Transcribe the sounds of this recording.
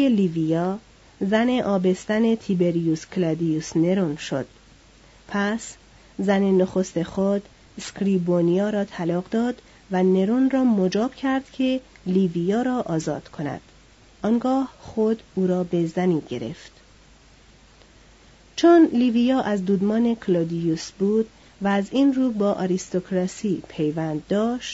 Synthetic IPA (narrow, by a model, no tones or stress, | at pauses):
elivijɒː | zæne̞ʔɒːbe̞st̪æne̞t̪ʰibe̞ɾijuskʰlæd̪ijusne̞ɾonʃo̰d̪̥ | pʰæs | zænenoxost̪e̞xod̪ | skʰɾiːbonijɒːɾɒːt̪ʰælɒːɡd̪ɒːd̪ | væne̞ɾonrɒːmod͡ʒɒːb̥cʰæɾd̪̥cʰe̞liːvijɒːɾɒːʔɒːzɒ̰ːd̪̥kʰo̞næ̰d̪̥ | ʔɒːŋɡɒːhχod̪uːɾɒːbe̞zæniːɟe̞̰ɾe̞̰ft̪ | t͡ʃʰonliːvijɒːʔæzd̪uːd̪mɒːne̞kʰlɑd̪ijusbuːd̪̥ | væːziːnruːbɒːʔɒɾist̪okʰɾɑsiːpʰe̞jvænd̪ːɒːʃt̪